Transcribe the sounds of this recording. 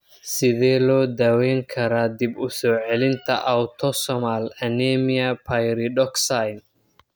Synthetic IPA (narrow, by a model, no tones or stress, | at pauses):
sɪðɛːlɔːd̪aːwɛːŋkʰɐɾaːd̪ibʊsɔːʕɛlɪnt̪ʰɐ̰ʔɐwt̪ʰɔsɔmalɐnɛːmɪɐpʰajɾɪɖɔksajn